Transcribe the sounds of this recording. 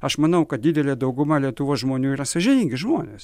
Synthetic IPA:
ɐʃmɐnɐʊkɐt̚d̪ʲɪːd̪ʲɛlʲeːd̪ɐʊɡʊmɐlʲiɛt̪ʊʋoːsʒmoːnʲuːiːɾɐsɐʒʲɪnʲiːŋʲɡʲɪʒmoːnʲḛːs

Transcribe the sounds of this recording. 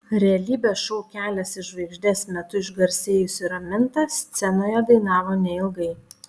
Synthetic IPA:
ɾʲɛɐlʲiːbʲeːsʃɔʊkʲæːlʲɛsɪʃʋɐɪɡʒʲd̪ʲɛsmʲɛt̪ʊɪʒɡɐɾʲsʲeːjʊsʲɪɾɐmʲɪnt̪ɐst̪sʲɛnoːjɛd̪ɐɪnɑːʋoːnʲɛɪlˠɡɐɪ

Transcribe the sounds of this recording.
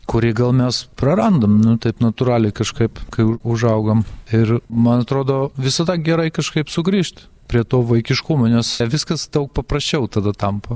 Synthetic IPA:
kʊɾʲiːɡɐlˠmʲɛspɾɐɾɐnd̪ɐmnʊt̪ɐɪpnɐt̪ʊɾɑːlʲɛɪkɐʃkɐɪpkɐɪʊʒɐʊɡɐmɪrmɐnɐt̪ɾoːd̪oːʋʲɪsɐd̪ɐɡʲɛɾɐɪkɐʃkɐɪpsʊɡɾʲiːʃt̪ʲ | pʲɾʲiɛt̪oːʋɐɪkʲɪʃkʊmoːnʲɛsʋʲɪskɐsd̪ɐʊk̚pɐprɐsʲt͡ʃʲɛʊt̪ɐd̪ɐt̪ɐmpɐ

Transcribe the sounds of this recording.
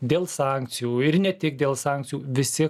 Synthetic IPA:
d̪ʲeːlˠsɑːŋkt̪sʲɪjuːɪɾnʲɛt̪ʲɪk̚d̪ʲeːlˠsɑːŋkt̪sʲɪjuːʋʲɪsʲɪ

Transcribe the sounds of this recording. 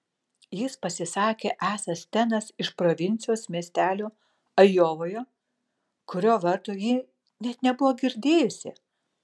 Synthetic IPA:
jɪspɐsʲɪsɑːkʲeːʔæːsɐst̪ʲɛnɐsɪʃpɾoːʋʲɪnʲtsʲɪjoːsmʲiɛsʲt̪ʲæːlʲoː | ɐjoːʋoːjoː | kʊɾʲoːʋɐɾt̪oːjiː | nʲɛt̪nʲɛbʊʋoːɡʲɪɾʲd̪ʲeːjʊsʲɪ̰

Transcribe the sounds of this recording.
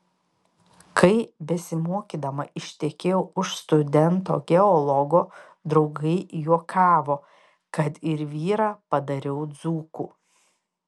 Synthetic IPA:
kʰɐɪbʲɛsʲɪmuɔkʲiːd̪ɐmɐɪʃʲt̪ʲɛkʲeːjɛʊʊʃst̪ʊd̪ʲɛnt̪o̰ːɡʲɛɔlˠɔɡoː | d̪ɾɒʊɡɐɪjuɔkʰɑːʋoː | kɐt̪ɪɾʋʲiːɾɑːpɐd̪ɐɾʲɛʊd̪zuːkuː

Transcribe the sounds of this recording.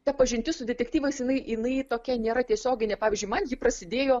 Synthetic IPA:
t̪ɐpɐʒʲɪnʲt̪ʲɪsʊd̪ʲɛtʲɛktʲiːʋɐɪsjɪnɐɪɪnɐɪt̪oːkʲɛnʲeːɾɐt̪ʲiɛsʲoːɡʲɪnʲeːpɑːʋʲɪzʲd͡ʒʲʊɪmɐnjɪpɾɐsʲɪd̪ʲeːjoː

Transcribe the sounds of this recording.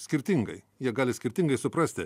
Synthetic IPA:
sʲkʲɪɾʲt̪ʲɪŋɡɐɪ | jiɛɡɑːlʲɪsʲkʲɪɾʲt̪ʲɪŋɡɐɪsʊpɾɑːsʲt̪ʲɪ

